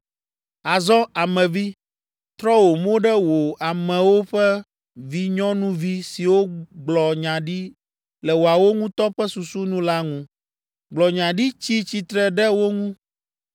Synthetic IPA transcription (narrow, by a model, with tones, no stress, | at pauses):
a˨zɔ˦a˨mɛ̃˨vi˦ | t̪ɾɔ˦wo˨mõ˦ɖɛ˦wo˨a˨mɛ̃˨wo˦ɸɛ˦ | vi˦ɲɔ̃˦nũ˦vi˦si˨wo˦ɡ͡blɔ˨ɲã˨ɖi˦ | lɛ˨wo˨a˨wo˦ŋũ˦t̪ɔ˦ɸɛ˦su˨su˦nũ˦la˦ŋũ˦ | ɡ͡blɔ˨ɲã˨ɖi˦t͡ɕi˦t͡ɕi˦t̪ɾɛ˦ɖɛ˦wo˦ŋũ˦